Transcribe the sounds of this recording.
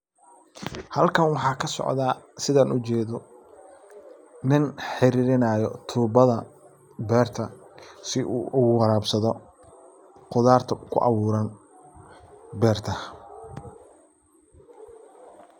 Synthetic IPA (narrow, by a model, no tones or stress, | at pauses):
hɐlkʰɐnwɑħɑːkʰɐsɔ̰ʕðaːsɪðanʔʊt͡ʃɛːðɔ | nɪnħɪɾiːɾɪnaːjɔt̪ʰuːbɐðɐ | bɛːrt̪ʰɐsɪʔṵːʔʊɣʊwɑɾaːbsɐðɔ | qʊðaːrt̪ʰɐkʰʊ̰ʔɑ̰βuːɾan | bɛːrt̪ʰɐ